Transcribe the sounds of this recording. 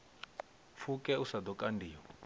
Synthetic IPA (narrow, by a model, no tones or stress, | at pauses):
fukɛusad̪ɔkʼandiːɔ